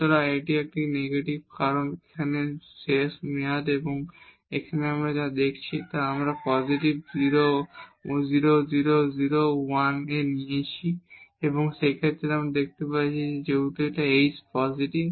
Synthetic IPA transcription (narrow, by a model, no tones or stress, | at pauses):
t̪ɔɾaeʈiɛk̚ʈineɡeʈibkaɾonekʰaneseʃmiad̪eboŋ | ekʰaneamɾad͡ʑad̪ekʰt͡ɕʰit̪aamɾapɔziʈibziɾo | ziɾoziɾoziɾowaneniet͡ɕʰieboŋʃejkʰet̪ːeɾeamɾad̪ek̚ʰt̪epaɾt͡ɕʰied͡ʑeɡuʈeʈaejspɔziʈib